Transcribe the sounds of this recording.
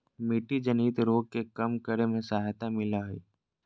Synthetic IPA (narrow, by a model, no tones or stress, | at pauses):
miːʈid͡ʒəniːt̪ɾoːɡ̚kekɐmkəɾemẽsaːjt̪amɪlaːɦḛː